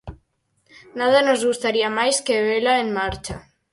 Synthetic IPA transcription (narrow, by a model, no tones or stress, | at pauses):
nað̞anozɣust̪aɾiamajskeβelaeŋmaɾt͡ʃa